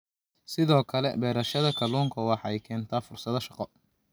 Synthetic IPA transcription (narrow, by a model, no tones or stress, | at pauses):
sɪðɔːkʰɐlɛ̰bɛːɾɐʃɐðɐkʰɐluːŋkʰɐwɑħɑɛjkʰɛːnt̪ʰaːfʊrsɐðɐʃɑqɔ